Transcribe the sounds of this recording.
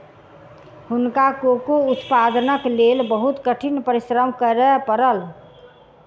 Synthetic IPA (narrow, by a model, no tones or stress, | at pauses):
hʊnkakokout̪pad̪nəklelbəɦut̪kəʈʰinpəɾisɾəmkəɾɛpəɾəl